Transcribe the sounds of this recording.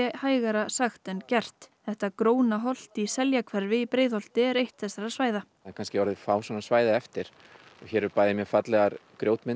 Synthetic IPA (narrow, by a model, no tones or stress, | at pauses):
ɛhaːjɣaɾasaxt̪ɛncɛr̥t̪θɛht̪akɾoːwnaɦɔl̥t̪isɛljakʰvɛɾvɪipɾeːjðhɔl̥t̪ɪɛɾejht̪θɛsːaɾaðsvaːjða | akʰanscɪɔɾðɪfaːwsanasvaːjðaɛft̪ɪɾ̥ | ɔçɛɾɛɾpaːjðɪmjɛfat̪lɛɣaɾkɾjowt̪mɪn